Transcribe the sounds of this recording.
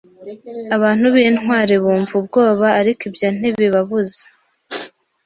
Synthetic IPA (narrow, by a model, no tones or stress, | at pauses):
aβaːn̥huβinwaːɾeβuːɱvub̚ɡo̞ːβaːɾikibjan̥iβiβaβuze̥